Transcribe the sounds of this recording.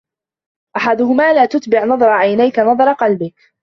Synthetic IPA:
ʔaħad̪ʊhʊmaːlaːt̪ʊt̪bɪʕnɑðˤɑɾˤɑʕajnajkanɑðˤɑɾˤɑqɑlbɪk

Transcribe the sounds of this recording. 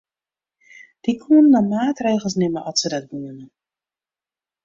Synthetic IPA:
d̥ikʰuənnɔmaːtreːɣəlˠsnɪməʔɔsədɛt̚buəmən

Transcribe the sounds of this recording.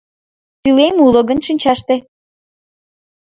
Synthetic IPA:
t̪ylemulə̆ɣənʃinʲt͡ɕɑʃt̪e

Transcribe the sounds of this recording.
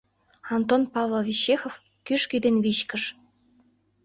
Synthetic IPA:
ɑnt̪onpɑvlˠovʲiɕːexof | kyʃkyd̪enβiɕkə̆ʃ

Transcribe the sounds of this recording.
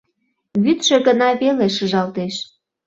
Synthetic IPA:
βyt̪ʃĕɣənɑβeleʃəʒɑlt̪eʃ

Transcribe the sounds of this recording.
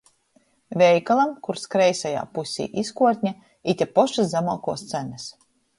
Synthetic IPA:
vʲɛjkalˠamkuɾskɾɛjsaja̰ːpusʲḭːʔiskuɔt̪ʲɲʲa | it̪ʲapɔʃazzamaːkuɔst̪sænas

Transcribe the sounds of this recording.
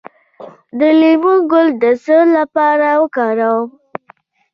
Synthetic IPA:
d̪əlemuɡʊld̪əsəlapɑɾawəkɑɾaw

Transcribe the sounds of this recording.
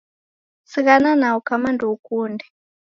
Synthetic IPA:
siɣananaukamanduukuːndɛ

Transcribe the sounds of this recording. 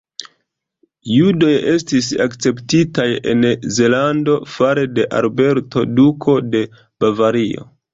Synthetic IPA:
judo̞je̞stis̬akt͡se̞ptitaje̞̰nze̞lando̞faɾede̞ʔa̰lbe̞ɾto̞dukʰo̞de̞ | b̥avaɾio̞̰

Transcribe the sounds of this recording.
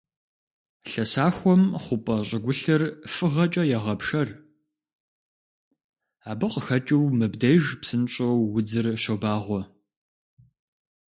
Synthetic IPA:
ɬɐsaːxʷɔmχʷʊpʼɐɕʼɪɡʷʊɬɨrfɨʁɐt͡ʃʼɐjɛʁɐpʂɐr | aːbɨqəxɐt͡ʃʼiwmɨbdɐjʒpsɨnɕʼɐwwʊd͡zɨrʃobaːʁʷɔ

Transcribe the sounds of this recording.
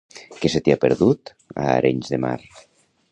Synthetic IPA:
keset̪eapeɾðut̪ | a̰ːɾeɲzðema̰ɾ

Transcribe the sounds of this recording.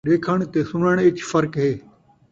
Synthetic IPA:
ɗeːkʰəɽ̃t̪esʊnəɽ̃ɪt͡ɕfɐɾkɦeː

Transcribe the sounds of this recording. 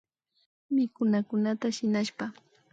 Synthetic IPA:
mɪkʊnakʊnat̪aʃɪnaʃpa

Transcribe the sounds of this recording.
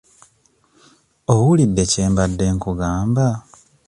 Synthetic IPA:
owulid̪ːe̞ceːmbadːe̞ːŋkuɡaːmba

